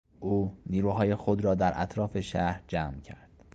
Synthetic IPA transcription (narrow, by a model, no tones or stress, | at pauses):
ʔuːniːɾuːɦɒːje̞xod̪ɾɒːd̪æɾʔæ̰t̪ʰɾɒːfe̞ʃæɾd͡ʒæːmcʰæ̰ɾd̪̥